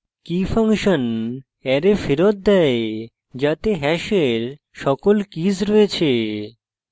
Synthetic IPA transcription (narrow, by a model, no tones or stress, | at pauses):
kifaŋʃon | ɛɾefiɾot̪̚d̪ɛe | d͡ʑat̪eɦɛʃeɾ | ʃɔkolkizɾɔet͡ɕʰe